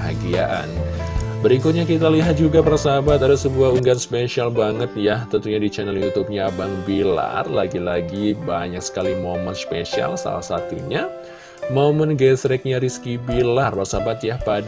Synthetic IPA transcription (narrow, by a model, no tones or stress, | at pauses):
ɦaɡia̰ʔa̰n | bəɾikʊt̪̚ɲak̬it̪aliɦat̪̚d͡ʒuɡapərsabat̪adasəbuauŋɡanspeʃialbaŋət̪̚jaht̪ənt̪uɲadit͡ʃɛnɛljut̪up̚ɲabaŋbila̰rlaɡilaɡibaɲak̚sə̥kalimomənspeʃia̰lsa̰la̰hsat̪uɲa | momənɡɛsɾɛk̚ɲaɾiskibilarpərsabat̪̚jahpad